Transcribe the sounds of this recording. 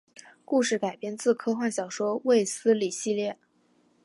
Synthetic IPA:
ku˥˧ʂɻ̩˥˩ka˨˩ɪpjɛ˥nt͡sɹ̩˥˩kʰɤ˥xwa˥˩nɕjɑ˨˩ʊʂwɔ˥we˥˩ɪsɹ̩˥li˨˩ɕi˥˧ljɛ˥˩

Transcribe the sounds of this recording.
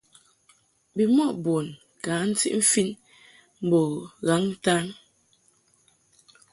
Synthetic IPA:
bi˨mɔ˦ʔbo˨n | kaː˨˦n̩˦tḭ˦ʔm̩˦fi˦n | m̩˨bɔ˨ɣa˨˦ŋn̩˦ta˦n

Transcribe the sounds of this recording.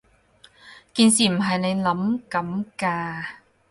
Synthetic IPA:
ki˧nsi˨˩m˨˩ɦa˨˩jna˧jla˨˦˥mka˨˥mkaː˧

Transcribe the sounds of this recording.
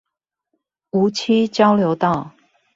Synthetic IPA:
u˨˦t͡ɕʰi˦t͡ɕjɑ˦ʊljo˧˦ʊt̪ɑ˥˨ʊ

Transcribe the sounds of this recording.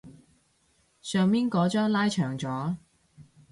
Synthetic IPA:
sœː˨˧ŋpiː˥nkɔː˨˥t͡ʃœː˥ŋlaː˥jt͡ʃʰœː˨˩ŋt͡sɔː˨˥

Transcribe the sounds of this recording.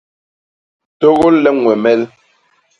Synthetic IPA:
to˦ɣo˦llɛ˦ŋwɛ˨mɛ˦l

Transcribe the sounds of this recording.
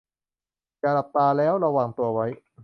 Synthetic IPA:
t͡ɕa˨˩la˨˩p̚t̪aː˧lɛː˦˥wɾa˧waː˨˩ŋt̪u˧ɐwa˦˥j

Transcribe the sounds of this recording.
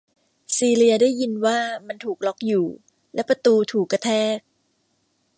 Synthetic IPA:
siː˧li˧ɐdaː˥˩jːi˧nwaː˥˩ma˧nt̪ʰuː˨˩k̚lɔ˦˥k̚juː˨˩ | lɛ˦˥pa˧t̪uː˧t̪ʰuː˨˩kːa˧t̪ʰɛː˥˩k̚

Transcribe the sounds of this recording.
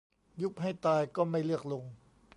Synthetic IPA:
ju˦˥k̚ɦa˥˩jt̪aː˧jkɔː˥˩ma˥˩jlɯ˥˩ək̚lo˧ŋ

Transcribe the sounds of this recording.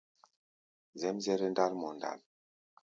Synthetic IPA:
zɛ˦mzɛ˦ɾɛ˦nda˦lmɔ˨nda̰˨l

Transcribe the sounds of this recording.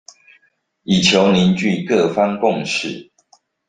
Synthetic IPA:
i˨˩t͡ɕʰjo˨˦ʊni˨˦nt͡ɕy˥˨kɤ˥˨fa˥˦ŋkʊ˥˨ŋʂɻ̩˥˨

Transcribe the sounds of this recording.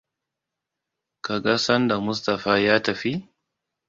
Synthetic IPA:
ka˨ɡa˦sɐ˦nda˨mʊ˦s̬tɐ˨ɸaː˦jaː˦tɐ˨ɸi˦

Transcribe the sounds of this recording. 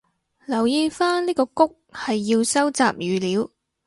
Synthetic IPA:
lɐ˨˩wjiː˧faː˥nniː˥kɔː˧kʊ˥k̚hɐ˨jːi˧wsɐ˥wt͡sa̰ː˨p̚jyː˨˧liː˨˥w

